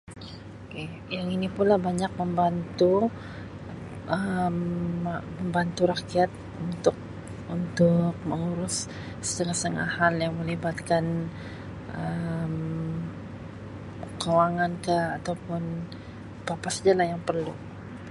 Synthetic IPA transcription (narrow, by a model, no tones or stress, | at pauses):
oke | jaŋinipulabaɲak̚məmbant̪u | əm | məmbant̪uɾakiat̪̚ | unt̪ʊk̚ | unt̪ʊk̚məŋuɾʊs | sə̥t̪əŋast̪əŋa̰haljaŋməlibat̪kan | ʔəm | kawaŋankəat̪awpʊn | papasəd͡ʒalajaŋpərlṵ